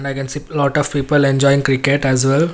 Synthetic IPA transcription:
ɳɖaɪkɛ̃nsilɔːʈɔʋpiːpəlẽnd͡ʒɔːɪɪ̃ŋkɾikeʈɛzʋɛl

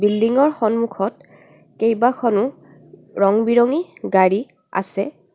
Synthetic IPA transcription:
bildiŋɔɹxɔnmukʰɔt̚ | kejbakʰɔnʊ | ɹɔŋbiɹɔŋiɡaɹi | a̰sɛ

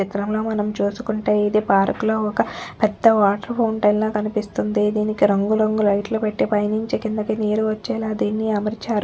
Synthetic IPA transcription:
it̪ɾɐmlo̞ːmɐnɐmt͡ʃuːsu̥kuɳʈeːiːd̪ipaːɾɐkuloːɔkɐpɛd̪ːɐʋaːʈɐɾpʰowɳʈɐjnloːkɐnipist̪und̪id̪iːnikiɾɐŋɡuɾɐŋɡulɐjʈluːpeʈːipɐjniɲt͡ʃekind̪ɐkineːɾuʋɐt͡ʃːɛːlaːd̪iːnːiɐmɐɾit͡ʃaːɾu

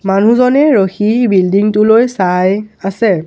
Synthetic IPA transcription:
man̤uzɔnɛɹoxibildiŋtʊlojsajasɛ

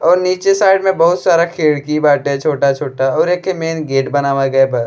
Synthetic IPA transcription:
ɔːɾniːt͡ʃesaːɪɖmẽbɐɦʊt̪saːɾakʰeːɽkibaːʈẽt͡ʃʰoːʈat͡ʃʰoːʈaɔːɾeːkemeːnɡeːʈbɐnaːʋaɡɐebɐs

